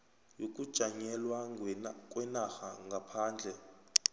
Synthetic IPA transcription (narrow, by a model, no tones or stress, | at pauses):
jok̬ʼud̥ʒ̥ʱaŋɛlwakʼwɛnaxaŋɡʱapʰaːnd͡ɮʱɛ